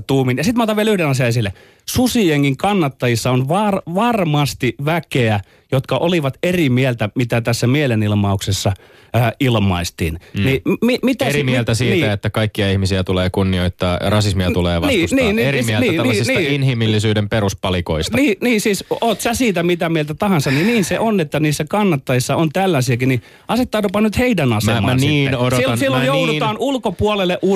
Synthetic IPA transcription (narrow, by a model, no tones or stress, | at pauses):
t̪uːminjɑsit̪moːt̪ɑʋielyhdenɑsiɑesilːe | susijeŋkiŋkɑnːɑt̪ːɑjisːɑonʋɑrʋɑrmɑst̪iʋækeæ | jot̪kɑʔoliʋɑt̪erimielt̪æmit̪æt̪æsːæmielenilmɑuksesːɑ | ilmɑist̪iːnnimimit̪ærmielt̪æsiːt̪ːæet̪ːækɑikːiɑihmisiæt̪uleːkunːioit̪ːɑːrɑsismiɑuleːʋɑnːsniːnerimlniniːsisniinhimilːisyːdempeɾuspɑlikoist̪niːniːsiːsoːt̪sæsiːt̪æmit̪æmielt̪æt̪ɑhɑnsɑnniniːnseʔonet̪ːæniːsːækɑnːɑt̪ːɑjisːɑont̪ælːæsiækini | ʔɑset̪ːɑːtopɑnyt̪heidænɑsemːɑ̰nsniːenodosilsilːojoudut̪ɑːnulkopuolelːeʔu